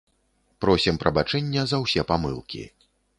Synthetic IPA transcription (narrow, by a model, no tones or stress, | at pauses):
pɾɔsʲimpɾʔɐbat͡ʂɛnʲːɐzɐwsʲɛpamɨ̰lˠkʲḭ